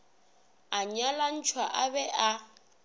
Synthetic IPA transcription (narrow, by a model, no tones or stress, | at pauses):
aɲalan̩t͡ʃʰwaʔabɛʔa